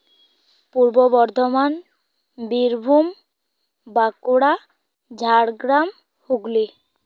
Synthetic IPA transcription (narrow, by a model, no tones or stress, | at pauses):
puɾbobɔɾd̪ʱoman | biɾbʱum | bakuɽa | d͡ʑʱaɽɡɾam | huɡli